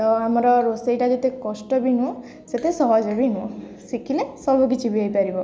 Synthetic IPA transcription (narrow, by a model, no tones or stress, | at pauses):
tɔamɔɾɔɾosejʈad͡ʒet̪ekɔsʈɔbinũ | set̪esɔɦɔd͡ʒɔbinũ | sikʰilesɔbuk̬it͡ʃʰibiajpaɾibɔ